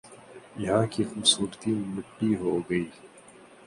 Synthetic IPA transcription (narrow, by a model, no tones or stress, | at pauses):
jɐɦãːkixʊmsuːɾt̪imɪʈːiːɦoːɡɐiː